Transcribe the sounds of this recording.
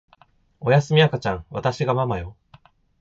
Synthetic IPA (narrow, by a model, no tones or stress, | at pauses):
o̞jasɨmʲiakat͡ɕãŋ̃βa̰t̪aɕiɡamamajo̞